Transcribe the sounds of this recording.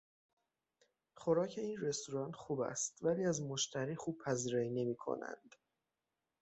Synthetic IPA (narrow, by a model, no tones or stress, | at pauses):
χoɾɒːcʰe̞iːnre̞st̪oɾɒːnt̪xuːbæ̰st̪væliːæzmo̞ʃt̪ʰæɾiːxuːb̥̚pʰæziːɾɒːine̞miːkʰo̰næ̰nd̪̥